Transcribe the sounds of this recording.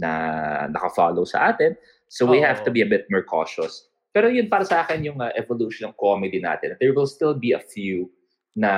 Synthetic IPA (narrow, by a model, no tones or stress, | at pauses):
nɐ̰nɐ̰kɐfa̰ːlowsɐ̰ʔaːt̪ɪn | sowihɛvt̪ʊbiɐbɪt̪̚mɔɹkʰo̰ːʃɔs | pɛːɾojʊnpaːɾɐsɐʔaːkɛnjʊŋɐʔɛvoluʃɔnɐŋkomɪd̪ina̰ːt̪ɛnd̪ɛɹwɪlst̪ɪlbiɐfju | nɐ